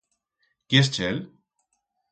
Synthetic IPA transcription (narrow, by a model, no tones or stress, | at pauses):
kjest͡ʃel